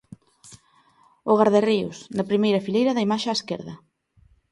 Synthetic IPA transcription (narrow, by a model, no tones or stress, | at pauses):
oɣaɾðeriʊ̰snɐpɾimejɾɐfilejɾɐðɐimaʃeaeskɛ̰ɾðɐ